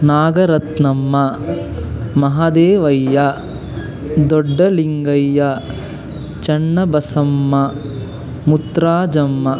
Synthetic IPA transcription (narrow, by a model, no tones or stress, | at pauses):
naːɡɐɾɐt̪nɐmːɐ | mɐɦad̪eːʋɐjːɐ | d̪ɔɖːɐliŋɡɐjːɐ | t͡ʃɐɳːɐbɐsɐmːɐ | mut̪ɾaːd͡ʒɐmːɐ